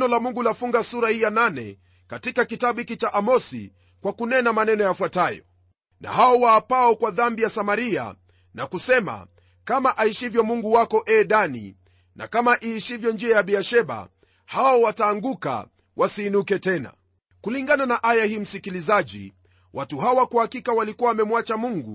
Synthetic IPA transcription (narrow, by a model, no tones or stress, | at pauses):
nɔlamuŋɡulafuŋɡasuɾahijananɛ̰ | katikakitaɓuikit͡ʃaʔamɔsḭ | kwakunɛnamanɛnɔjafwatajɔ̰ | na̰haɔwaːpaɔkwaðambijasamaɾia̰ | nakusɛma̰ | kamaʔaiʃivjɔmuŋɡuwakɔʔɛːɗanḭ | nʔa̰kamaʔiːʃivjɔnd͡ʒiajaɓiaʃɛɓa̰ | haɔwataːŋɡuka̰ | wʔasiːnukɛtɛna̰ | kuliŋɡananaʔajahiːm̩sikilizaʄḭ | wʔatuɦaɔwakuhakikawalikuwawːmɛmwat͡ʃamuŋɡu